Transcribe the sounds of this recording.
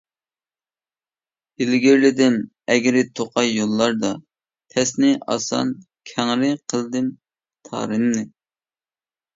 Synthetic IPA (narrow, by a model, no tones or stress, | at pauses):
ɪlɡʲiɾlɪd̪ɪm | ɛɡʲɪɾɪt̪ʰoqʰɑjːolˠːɑɾd̪ɑ | p̪ʰɛsnɪʔɑ̰sɑ̰n | kʲʰɛŋɾɪqʰəlˠd̪ɪm | t̪ʰɑ̰ːɾɨnːɨ